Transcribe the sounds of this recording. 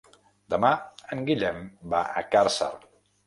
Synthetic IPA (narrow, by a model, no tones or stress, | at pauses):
d̪əmaəŋɡiʎɛmbaʔəkaɾsə̰r